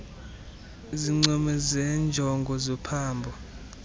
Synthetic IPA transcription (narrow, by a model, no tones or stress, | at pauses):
iziŋ͡ǀɔmɛzɛnd͡ʒʱɔŋɡʱɔzɔpʰaːmbʱɔ